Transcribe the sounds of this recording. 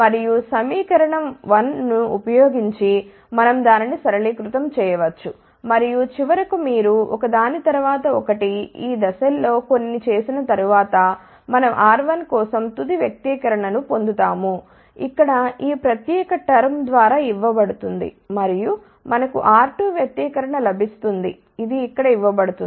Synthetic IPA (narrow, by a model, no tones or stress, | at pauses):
mɐɾijusɐmiːkɐɾɐɳɐmʋɐnːuupɐjoːɡiɲt͡ʃi | mɐnɐmd̪aːninisɐɾɐɭiːkɾut̪ɐmt͡ʃɛːjɐʋɐt͡ʃːu | mɐɾijut͡ʃiʋɐɾɐkumiːɾuʔɔkɐd̪aːnit̪ɐɾuʋaːt̪ɐɔkɐʈiiːd̪ɐsɐlːo̞ːko̞nːit͡ʃe̞ːsinɐt̪ɐɾuʋaːt̪ɐ | mɐnɐmʔaːɾʋɐnkɔːsɐmt̪ud̪iʋjɐk̚t̪iːkɐɾɐɳɐnupo̞nd̪ut̪aːmu | ikːɐɽɐiːpɾɐt̪jɛːkɐʈːɐɾɐmd̪ʋaːɾaːiʋːɐbɐɽut̪und̪ḭ | mɐɾiju | mɐnɐkṵʔaːɾʈuʋjɐk̚t̪iːkɐɾɐɳɐlɐbʱist̪und̪ḭ | id̪iːkːɐɽɐiʋːɐbɐɽut̪un